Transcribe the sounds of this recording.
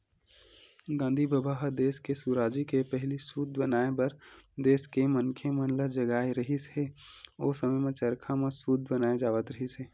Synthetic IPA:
ɡãːnd̪ʱibəbaːɦəd̪eːskesuɾaːd͡ʒikepɛɦlisud̪̚ʱbənaːebɐɾd̪eːskemənkʰemə̃nləd͡ʒəɡaːeɾəɦisɦeoːsəməjmẽt͡ʃəɾkʰamẽsud̪̚ʱbənaːed͡ʒaːʋət̪ɾəɦiseː

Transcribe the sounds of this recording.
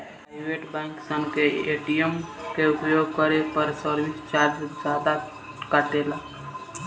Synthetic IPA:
pɾaɪbeʈbɛ̃ŋksəŋkeeʈijəmkeupjoɡ̚kəɾepəɾsəɾbist͡ʃaɾd͡ʒd͡ʒad̪a | kəʈ̪elak

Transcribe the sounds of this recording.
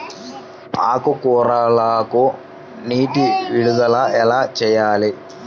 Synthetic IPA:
aːkːokuːraːɭaːkːo | niːtːɨʋiɽuðɐɭɐʔelɐt͡ɕejːaːle

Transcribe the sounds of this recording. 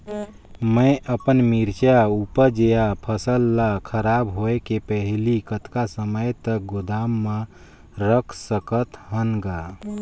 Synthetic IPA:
məjʔəpənmiɾt͡ʃaupəɾd͡ʒejapʰəsəlːakʰəɾabɦoekepəɦlikət̪kasəməjt̪əɡod̪amːa | ɾəkʰsəkət̪ɦənɡa

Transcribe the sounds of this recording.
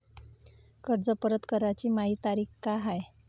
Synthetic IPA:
kəɾd͡zəpəɾət̪kəɾat͡ɕiːmaɦiːt̪aɾiːkkaɦaj

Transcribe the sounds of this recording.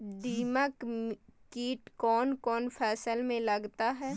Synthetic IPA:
ɖ̪iːməkkiːʈkɔːnkɔːnfʰɛːsəlmẽlɐɡt̪aɦɛː

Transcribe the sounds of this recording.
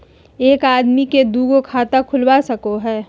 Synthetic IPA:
eːkaːd̪miked̪uːɡokʰaːt̪akʰʊlwasɐkoɦɛː

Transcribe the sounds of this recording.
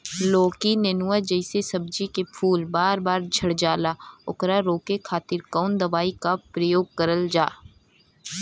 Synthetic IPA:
loːkinenuwad͡ʒɐɪsesɐb̚d͡ʒikepʰuːlbaːɾbaːɾd͡ʒʱɐɽd͡ʒaːlaʊ̰kɾaɾoːkekʰaːt̪ɪɾkɔːnd̪ɐʋaːikapɾəjoːɡ̚kɐɾəld͡ʒaː

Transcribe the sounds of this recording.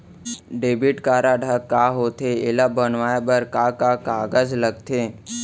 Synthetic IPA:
ɖeːbiʈkaːɾaɖʱakːaɦot̪ʰeelabənʋaːebəɾkakakaːɡəd͡ʒləɡ̚t̪ʰe

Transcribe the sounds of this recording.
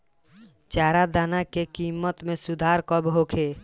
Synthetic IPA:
t͡ʃaːɾad̪aːnakekiːmːət̪mẽsʊd̪ʱaːɾkəbɦoːkʰeː

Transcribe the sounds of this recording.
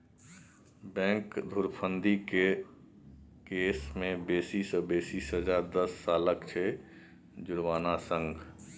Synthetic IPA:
bɛ̃ːŋkd̪ʱʊɾpʰənd̪ike | keːsmẽbeːsisəbeːsiːsɦəd͡ʒaːɾd̪əsːaːləkt͡ʃʰe | d͡ʒʊɾʋaːnasə̃ŋɡ

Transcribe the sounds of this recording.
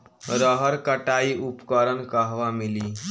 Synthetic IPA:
ɾəɦəɾkəʈaːiʔʊpkəɾənkəɦʋamɪliː

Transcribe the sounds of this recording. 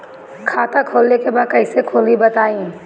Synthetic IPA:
kʰaːt̪akʰoːlnekebaːd̪̚kɐɪsekʰoːlibɐt̪aːĩ

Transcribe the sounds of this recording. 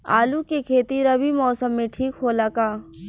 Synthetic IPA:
a̰ːlukekʰeːt̪iɾɐbʱimɔːsəmːẽʈʰiːkɦoːlakaː

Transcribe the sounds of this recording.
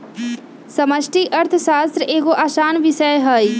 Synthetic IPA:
sɐməʃʈʰiʔɐɾt̪ʰʃaːst̪ɾeːɡoʔaːʃaːnʋɪʃəjɦɐi

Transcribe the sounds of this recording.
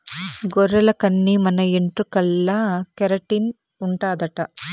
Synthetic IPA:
ɡɔɾɐlɐkɐnːimɐnɐeɳʈrukɐlːɐkɐɾɐʈin | uɳʈaːd̪ɐʈɐ

